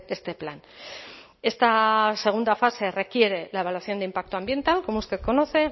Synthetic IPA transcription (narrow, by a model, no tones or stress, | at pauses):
e̞st̪e̞plan | e̞st̪ase̞ɣ̞und̪afase̞re̞kje̞ɾe̞lae̞β̞alwaθjo̞nd̪impak̚t̪oambje̞nt̪alko̞moust̪e̞ðko̞no̞θe̞